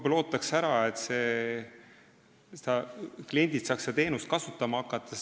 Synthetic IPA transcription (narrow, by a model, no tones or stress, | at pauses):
blo̞ːt̪ːˑɑksæɾɑet̪se̞ | sed̪ɑklie̞nʲd̪̥it̪sɑːksed̪ɑt̪e̞ːnust̪kɑsut̪ːˑɑmɑɑkːˑɑt̪ːˑɑ